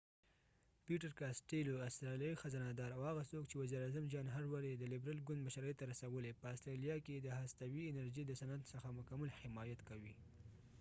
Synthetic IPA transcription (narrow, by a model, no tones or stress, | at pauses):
piʈaɾkasʈeloast̪ɾɑljɑixazanɑd̪ɑɾawhaɣasokt͡ʃewaziɾɑzamd͡ʒɑnɦaɾwaɾjed̪əlɪbɾalɡʊnd̪̚maʃaɾəjt̪aɾasawəlepəast̪ɾɑlijɑked̪əɦast̪awiɪnaɾʒid̪əsanad̪səxamʊkamalhɪmɑjat̪kawi